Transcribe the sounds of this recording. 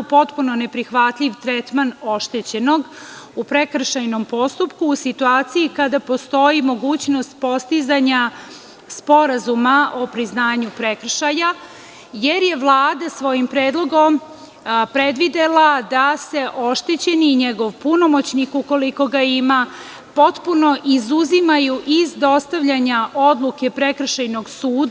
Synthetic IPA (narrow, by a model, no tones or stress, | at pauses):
upo̞t̪puno̞ne̞pɾixʋat̪ʎʲiʋt̪ɾɛt̪manoʃt̪et͡ɕe̞no̞ɡupɾekr̩ʃajno̞mpo̞st̪upkuːsit̪uaːt̪sijikad̪apo̞st̪o̞jimo̞ɡuːt͡ɕno̞st̪̚po̞st̪izaɲa | spo̞ɾazumaʔopɾiznaːɲupɾekr̩ʃaja | je̞ɾje̞ʋlˠaːd̪asʋo̞jimpɾeːd̪lˠo̞ɡo̞m | pɾe̞d̪ʋid̪elˠad̪ase̞ʔo̞ʃt̪et͡ɕe̞niɲeɡo̞ʋpuno̞mo̞t͡ɕnikuko̞liko̞ɡaima | po̞t̪puno̞ʔizuzimajuʔizd̪o̞st̪aʋʎaɲaʔo̞d̪lˠuke̞pɾe̞kr̩ʃajno̞ɡsuːd̪